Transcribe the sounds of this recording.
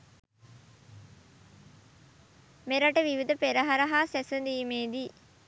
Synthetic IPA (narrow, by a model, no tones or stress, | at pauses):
meɾɐʈəʋiʋid̪əpeɾɐɦɐɾɐɦaːsesɐnd̪iːmeːd̪iː